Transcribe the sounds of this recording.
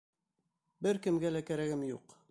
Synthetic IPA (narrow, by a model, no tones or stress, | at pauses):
bɘɾkɘ̆mɡælækæɾæɡɘmjuq